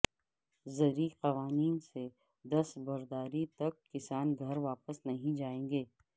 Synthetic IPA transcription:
zɐɾiqɐʋaːniːnse | d̪ɐsbɐɾd̪aːɾit̪ɐkːɪsaːnɡʱɐɾʋaːpəsnɐɦĩd͡ʒaːẽːŋɡeː

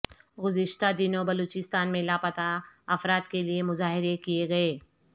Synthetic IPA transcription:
ɡʊzɪʃt̪ad̪ɪnõbɐloːt͡ʃɪst̪aːnmẽlapɐt̪aɐfɾaːd̪keliemʊzaːɦɪɾekieɡɐeː

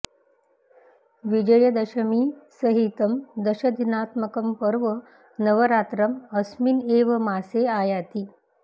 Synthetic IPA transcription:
ʋid͡ʑəjəd̪əɕəmiːsəɦit̪əmd̪əɕəd̪ʱinat̪məkəmpəɾʋə | nəʋəɾat̪ɾəməsmineʋəmaseajat̪iː

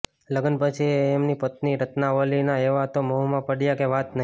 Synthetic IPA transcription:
ləɡənpət͡ʃʰiːmnipət̪niɾət̪naʋəlinaeʋat̪omoɦumãpəɽijakeʋat̪nə

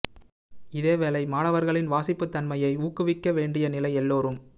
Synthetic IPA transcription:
ɪðeːʋeːlɐɪmaːɳɐʋɐɾɣɐɭɪnʋaːsɪpːɯt̪ːɐnmɐjɐɪuːkːɯʋɪkːɐʋeːɳɖɪjɐnɪlɐɪɛlːoːɾɯm

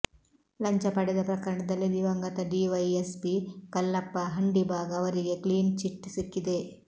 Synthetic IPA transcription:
lɐɲt͡ʃɐpɐɽɛd̪ɐpɾɐkɐɾɐɳɐd̪ɐlːid̪iʋɐŋɡɐt̪ɐɖiʋɐjespikɐlːɐpːɐɦɐɳɖibʱaːɡɐːʋɐɾiɡe̞kliːnt͡ʃiʈːsikːid̪e

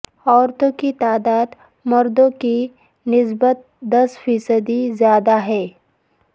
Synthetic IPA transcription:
ɔːɾt̪õkit̪aːd̪aːd̪ | mɐɾd̪õki | nɪs̬bət̪̚d̪ɐsfiːsəd̪izjaːd̪aɦɛː

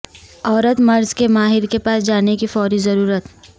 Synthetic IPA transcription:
ɔːɾət̪mɐɾzkemaːɦɪɾkepaːsd͡ʒaːnekifɔːɾizɐɾuːɾət̪

